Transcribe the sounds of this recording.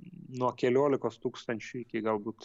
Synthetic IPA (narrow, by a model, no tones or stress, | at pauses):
nuɔkʲɛlʲoːlʲɪkoːst̪uːkst̪ɐnʲt͡ʃʲʊɪkʲɪɡɐlˠbuːt̪